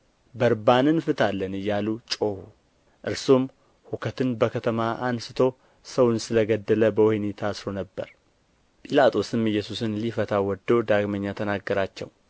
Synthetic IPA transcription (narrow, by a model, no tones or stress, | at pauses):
bəɾbanɨnfɨt̪ʰalːənɨjːalut͡ʃʼo̞hu | ʔɨɾsom | hukʰət̪ɨnbəkʰət̪ʰəmaʔansɨ̥t̪ʰo̞ | səwʊnsɨləɡəd̪ːələbəwɔhnet̪ʰasɾo̞nəbːə̰ɾ | pʼilat̪ʼo̞sɨmɨjːɛsusɨnlifət̪ʰawɔd̪ːod̪aɡməɲːat̪ʰənaɡːəɾat͡ʃːɛ̰w